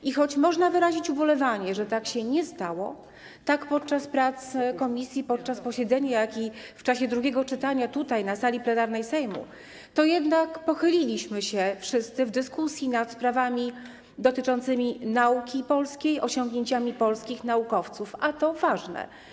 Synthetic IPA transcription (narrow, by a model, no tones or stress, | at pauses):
ʔixɔt͡ɕmɔʐnavɘɾaʑit͡ɕubɔlɛvaɲɛʐɛt̪akɕɛɲɛst̪awɔ̰ | t̪akpɔt̪̚t͡ʂaspɾat̪skɔmʲisʲjipɔt̪̚t͡ʂaspɔɕɛd̪zɛɲajakift͡ʂaɕɛd̪ɾuɡʲɛɡɔt͡ʂɘt̪aɲat̪ut̪ajnasalʲiplɛnaɾnɛjsɛjmṵ | t̪ɔjɛd̪nakpɔxɘlʲilʲiɕmɘɕɛfʂɘst̪sɘvd̪ɘskusʲjinat̪spɾavamʲi | d̪ɔt̪ɘt͡ʂɔnt̪sɘmʲinaukʲipɔlskʲejɔɕɔŋɡɲeɲt͡ɕamʲipɔlskʲixnaukɔft̪sufat̪ɔvaʐnɛ̰